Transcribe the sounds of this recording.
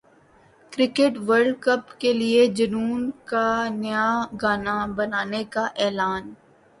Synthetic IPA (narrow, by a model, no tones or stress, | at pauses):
kɾɪkeʈʋəɾɖkəpkelied͡ʒɐnuːnkanjaɡaːnabɐnaːnekaʔɛːlaːn